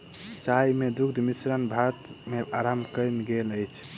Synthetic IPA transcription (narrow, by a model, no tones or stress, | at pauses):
t͡ʃajmed̪ukd̪ʱmisɾənbʱat̪meaɾamkəjnɡeləjt͡ʃʰ